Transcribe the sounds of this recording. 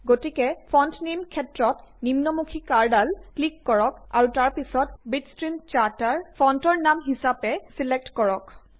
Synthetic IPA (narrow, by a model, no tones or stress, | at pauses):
ɡotikɛpʰɔntnimkʰɛtɹɔtnimnɔmukʰikaɹdalklikːɔɹɔka̰ɹutaɹpisɔt̚bitstɹimt͡ʃataɹpʰɔntɔɹnamɦisapɛsilek̚tkɔɹɔk